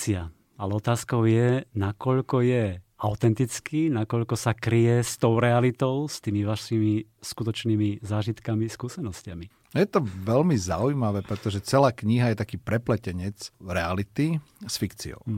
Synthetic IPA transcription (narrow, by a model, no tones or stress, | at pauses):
ia | alɛɔt̪aːskɔʊjɛnakɔʎkɔjɛ | aʊt̪ɛnt̪it͡skinakɔʎkɔsakɾijɛst̪ɔʊɾɛalit̪ɔʊst̪iːmiʋaʃiːmiskut̪ɔt͡ʃniːmizaːʒit̪kamiskuːsɛnɔscɪami | jɛt̪ɔʋɛlmiza̰ujmaʋɛːpɾɛt̪ɔʒɛt͡sɛlaːkɲiɦajɛt̪akiːpɾɛplɛcɛɲɛt͡sɾɛalit̪isfikt͡sḭɔ̰ʊ